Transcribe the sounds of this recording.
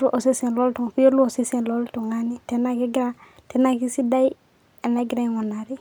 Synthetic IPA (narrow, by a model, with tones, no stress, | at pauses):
u˦ʔo˨se˦sĩ˨lo˦ltũ˨ŋfi˦jo˦lu˦o˨se˦sĩ˨nlo˦ltu˨ŋa˦ni˨te˦na˦ke˦ɡi˦ɾa˦ | te˦na˦ki˦si˦da˦i˦ | a˨na˦ɡiɾa˦ŋɔ˨na˨ɾi˨